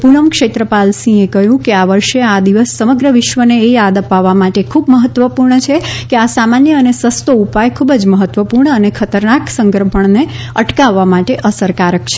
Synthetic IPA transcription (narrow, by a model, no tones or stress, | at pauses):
punəmkʃet̪ɾəpalsĩekəɦjũkeaʋəɾʃead̪iʋəsːəməɡɾəʋɪʃʋəneːjad̪əpaʋːamaʈekʰubməɦət̪ʋəpuɾɳət͡ʃʰekeasamanjəənesəst̪oupajkʰubəd͡ʒməɦət̪ːʋəpuɾɳəənekʰət̪əɾnaksə̃ŋɡəɾpʰəɳne | əʈkaʋːamaʈeʔəsəɾkaɾək̚t͡ʃʰe̥